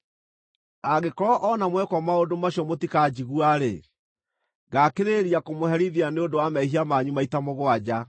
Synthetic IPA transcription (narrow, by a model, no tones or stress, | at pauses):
aɣekɔɾɔʔɔnamwɛkwɔmaodomaɕiɔmotikad͡ʑiɣuaɾḛ | ɡakeɾeɾiakomohɛɾiðianeodowamɛiɦiamaɲumaitamoɣoad͡ʑa